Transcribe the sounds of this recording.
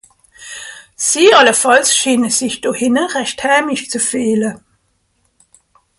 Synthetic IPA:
siːɑləfɑlsʃiːnəzɪçd̥ohɪnəʁɛçthɛːmɪʃt͡sufeːlə

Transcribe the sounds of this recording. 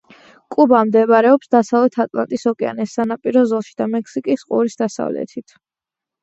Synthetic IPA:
kʼubamd̪ɛbɾɛɔpsd̪asavlɛt̪ʰat̪ʼlˠa̰nt̪ʼisɔkʼɛa̰nɛsanapʼiɾɔzɔlˠʃid̪amɛkʰsikʼisqʼṵɾisd̪asa̰vlɛ̰t̪ʰit̪ʰ

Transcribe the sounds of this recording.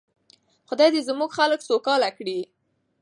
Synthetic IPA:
xʊd̪ɑjd̪ezmuɡxaləksokɑlakɽi

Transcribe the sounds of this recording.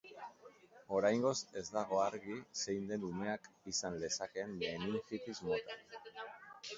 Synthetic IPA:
o̞ɾajŋɡo̞se̞zd̪aɣ̞o̞aɾɣise̞jnd̪e̞nume̞akisanle̞sake̞nbeniŋfitizmot̪a

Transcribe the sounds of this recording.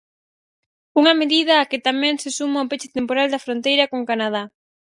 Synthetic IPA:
uŋɐmeðið̞ɐːkɪt̪amɛ̃ŋsɪsumaopet͡ʃɪ̥t̪empoɾald̪ɐfɾont̪ejɾɐkoŋkanað̞a

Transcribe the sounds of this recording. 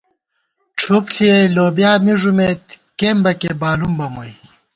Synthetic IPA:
ʈ͡ʂʰupsʰieloːbjaːmiʐumeːt̪ | keːmbɐkebaːlumbɐmoj

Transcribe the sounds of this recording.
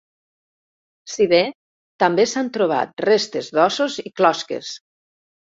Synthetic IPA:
siβe | t̪ambesant̪ɾoβ̞a̰t̪̚rest̪ezðɔsoziklɔskḛs

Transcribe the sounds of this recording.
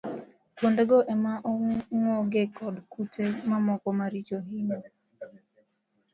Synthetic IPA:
kwondeɡɔʔɛmaʔɔŋɔɡekɔdkutʰemamɔkɔmaɾit͡ʃoɦinɔ

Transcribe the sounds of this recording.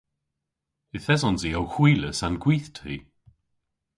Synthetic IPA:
ɪθɛzɔnziːawxwiːləsanɡwiːθtʰɾḭː

